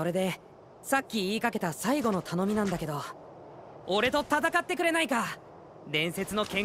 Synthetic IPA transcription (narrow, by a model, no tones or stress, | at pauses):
o̞ɾe̞d̪e̞ | sakʲːiːkake̞t̪asaiɡo̞no̞t̪ʰano̞mʲinãnd̪ake̞d̪o̞ | oɾe̞t̪o̞t̪at̪akat̪ːe̞kɯ̟ɾe̞naika | d̪ẽ̞ɰ̃se̞t͡sɨno̞kẽ